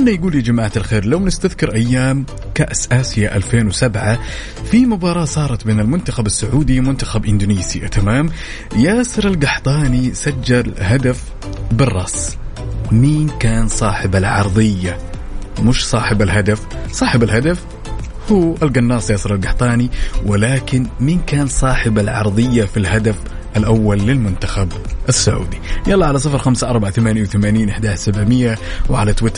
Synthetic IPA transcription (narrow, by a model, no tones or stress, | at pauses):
alːajɡuːlid͡ʒamaːʕat̪alxeːɾlawnɪst̪aðkɪɾʔajːaːm | kaʔsʔaːsɪjaʔalfeːnwsabʕa | fimʊbɑːɾˤɑːsˤɑːɾˤɑt̪beːnɪlmʊnt̪axabasːaʕuːd̪imʊnt̪axabʔɪnd̪uːniːsia̰t̪amaːm | jaːsɨɾalɡaħt̪ˤɑːnisad͡ʒːalɦad̪af | bɨrˤːɑ̰ːs | miːnkaːnsˤɑːħɪbalʕɑ̰ɾˤðˤɪjːa | mʊʃsˤɑːħɪbalɦad̪af | sˤɑːħɪbalɦad̪af | huːʔalɡanːɑːsˤjɑːsˤɨɾˤalɡaħt̪ˤɑːniwɪlaːkɪnmiːnkaːnsˤɑːħɪbalʕɑ̰ɾˤðˤɨjːafilɦad̪af | ʔalʔawːalːɪlmʊnt̪axabʔɪsːʊʕṵːd̪ijɑlˤːɑʕalas̬ˤɑfɾˤxamsaʔɑɾˤbʕaθamaːnjawθamaːniːnʔɪħd̪aːsabʕmɪjːawʕalat̪wɪt̪